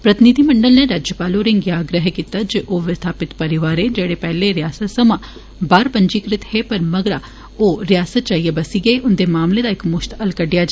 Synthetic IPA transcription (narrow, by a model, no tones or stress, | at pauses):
pɾət̪ɪnid̪ʱimɐɳɖəlneɾaːd͡ʒjəpaːloːɾɪ̃ŋɡjaːɡɾəɦkiːt̪ad͡ʒeʔoːʋɪst̪ʰaːpɪt̪pɐɾɪʋaːɾed͡ʒeːɽepɛːleɾɪjaːsət̪səmã | baːɾpəɲd͡ʒiːkɾɪt̪heːpɐɾmɐɡəɾa | oːɾɪjaːsət̪̚t͡ʃaːijebɐsiɡəeʔʊnd̪eːmaːmled̪aɪkmʊʃt̪ɐlkəɖɪjad͡ʒa